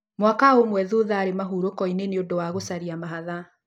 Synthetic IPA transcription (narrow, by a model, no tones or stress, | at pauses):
mwakaomwɛðuðaːɾemaɦuɾokɔineneodowaɣosaɾiamaɦaða